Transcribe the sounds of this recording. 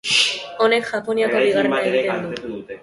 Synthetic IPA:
onekxaponiakabiɣaɾnat̪ed̪u

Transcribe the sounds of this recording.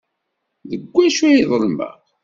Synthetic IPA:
ðəɡʷːæʃæjiðˤəlmæ̰

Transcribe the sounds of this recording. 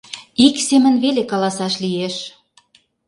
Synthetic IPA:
iksemə̆nβelekɑlɑsɑʃlijeʃ

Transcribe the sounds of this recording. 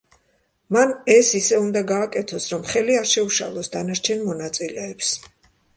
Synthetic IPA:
manɛsisɛund̪aɡaːkʼɛt̪ʰɔsɾɔmχɛliaɾʃɛuʃa̰lˠɔsd̪anaɾt͡ʃʰɛnmɔnat̪sʼilɛːps

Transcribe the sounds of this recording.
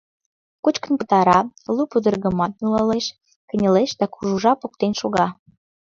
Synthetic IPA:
kut͡ɕkə̆npə̥̆t̪ɑɾɑlupud̪ə̆rɣə̆mɑt̪̚nulɑleʃ | kə̆nʲə̆leʃd̪ɑkuʒuʒɑpok̚t̪enʃoɣɑ

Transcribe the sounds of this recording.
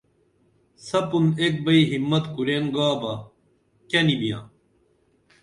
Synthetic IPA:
sɐpunek̚bɐiɦimːɐt̪kuɾeŋɡaːbɐ | kɐnibijã̰ː

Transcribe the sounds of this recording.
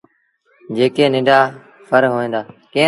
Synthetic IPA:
d͡ʒeːkeːnɪ̃ɳɖaː | pʰəɾɦoːẽːnd̪aːkẽː

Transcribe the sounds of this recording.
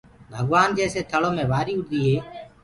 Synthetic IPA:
bʱəɠʋaːnd͡ʒɛːseːt̪ʰəɭoːmẽːʋaːɾiːʊɖd̪iːɦeː

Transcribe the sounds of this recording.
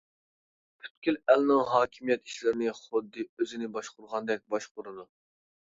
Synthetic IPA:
pʰy̥t̪kʲylɛlnɪŋɦɑːkʲʰimijɛt̪i̥ʃlɪɾɪnɪχʊd̪ːɨøzɪnɪbɑʃqʊɾʁɑnd̪ɛk̚ʲbɑʃqʊɾɨd̪u

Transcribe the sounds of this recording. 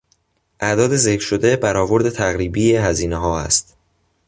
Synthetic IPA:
ʔæd̪ɒːd̪e̞ze̞cʰɾʃo̞d̪e̞bæɾɒːvo̞ɾd̪e̞t̪ʰæɣɾiːbijeɦæziːneɦɒːæ̰st̪

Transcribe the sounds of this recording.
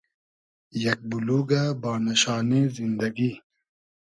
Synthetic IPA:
jɐk̚buluːɡabaːnɐɕaːnezind̪ɐɡi

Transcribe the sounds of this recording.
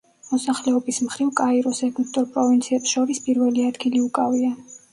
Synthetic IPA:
mɔsaχlɛɔbismχɾivkʼaiɾɔsɛkʰʼuip̚t̪ʼuɾpʼɾɔvint̪sʰiɛpsʃɔɾispʼiɾvɛliad̪ɡiliukʼavia

